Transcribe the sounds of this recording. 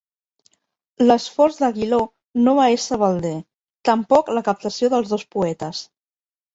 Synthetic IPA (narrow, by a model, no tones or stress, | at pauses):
ləsfɔɾzðəɣilo | noβaesəβəlˠd̪e | t̪əmpɔkləkəp̚t̪əsijoðəlˠzðospuɛt̪əs